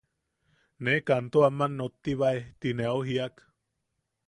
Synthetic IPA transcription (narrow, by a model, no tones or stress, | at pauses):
nekant̪oamanːot̪ːiβaeht̪ineoɦiak